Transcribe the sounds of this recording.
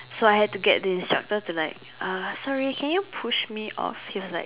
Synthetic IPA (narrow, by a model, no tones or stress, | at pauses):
soaɪɦɛd̚tuɡɛ̰t̚dəĩnstɹa̰k̚tətulaɪk̚ | ʔasɔɹikʰɛ̃njupʰuʃmiʔɔ̰fhiwɔsla̰ɪ